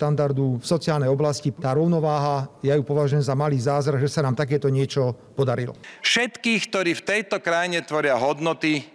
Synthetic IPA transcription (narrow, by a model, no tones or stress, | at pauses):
t̪and̪aɾd̪ufsɔt͡sɪaːlnɛjɔblascit̪aːɾɔʊnɔʋaːɦajajupɔʋaʒujɛmzamaliːzaːzɾaɣʒɛsanaːmt̪ak̬ɛːt̪ɔɲɪɛt͡ʃɔ | pɔd̪aɾilɔ̰fʃɛt̪kiːxkt̪ɔɾiːft̪ɛjt̪ɔkɾajɲɛt̪ʋɔɾɪaɦɔd̪nɔt̪i